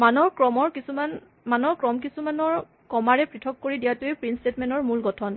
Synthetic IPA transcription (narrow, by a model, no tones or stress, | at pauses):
manɔɹkɹɔmɔɹkisuman | manɔɹkɹɔmk̬isumanɔɹ | kɔmaɹɛpɹitʰɔkːoɹidijatojpɹinstetmɛnɔɹmulɡɔtʰɔn